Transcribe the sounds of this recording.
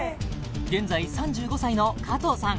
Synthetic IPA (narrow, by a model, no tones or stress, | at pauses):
ɡẽ̞nd͡zaisãɲ̟d͡ʑɨːɡo̞saino̞kʰat̪osãŋ